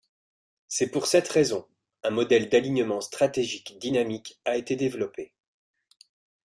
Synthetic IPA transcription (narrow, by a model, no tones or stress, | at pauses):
sɛpuʁsɛt̪χezɔ̃ | ɛ̃mɔd̪ɛld̪aliɲəmɑ̃st̪χat̪eʒikd̪inamikaet̪ed̪evlɔpe